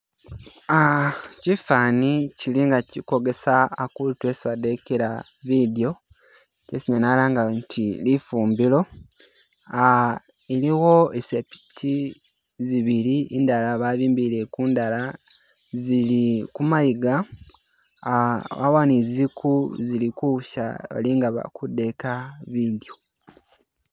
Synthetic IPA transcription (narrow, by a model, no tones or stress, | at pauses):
acifaːniciliŋɡaciko̞ɡesaːkulitwesiwadekeɾa | βidio̞ | twesiɲanalaːŋɡantʰilifuːmbilo̞ | a | eliwo̞esepi̥tʰi | ziβiɾiindalaβaβiːmbiɾekuːndala | zilikumajiɡa | wa̰wanizikuzilikuʃa̰βa̰liŋɡaβa̰kude̞kaβido